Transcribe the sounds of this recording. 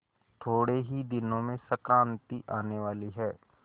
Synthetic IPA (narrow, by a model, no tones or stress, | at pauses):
t̪ʰoːɽeɦid̪ɪnõmẽsɐkɾãːnt̪iʔaːneʋaːliɦɛː